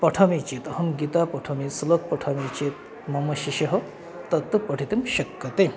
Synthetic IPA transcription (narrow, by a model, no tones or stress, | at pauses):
pɐʈʰɐmit͡ʃiːt̪ɐɦɐmɡit̪aːpɐʈʰɐmisulɐk̚pɐʈʰɐmit͡ʃeːt̪̚ | mɐmɐʃiʃɐɦɐ | t̪ɐt̪ːɨpɐʈʰit̪imʃɐkːɐt̪e